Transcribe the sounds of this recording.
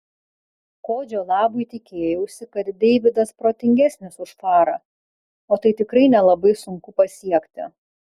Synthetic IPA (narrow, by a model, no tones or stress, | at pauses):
koːd͡ʒʲoːlˠɑːbʊɪt̪ʲɪkʲeːjɛʊsʲɪkɐt̪d̪ʲɛɪʋʲɪd̪ɐspɾoːt̪ʲɪŋʲɡʲæsʲnʲɪsʊʃfɑːɾɐ | oːt̪ɐɪt̪ʲɪkɾɐɪnʲɛlˠɐbɐɪsʊŋkʊpɐsʲiɛkʲt̪ʲɪ̰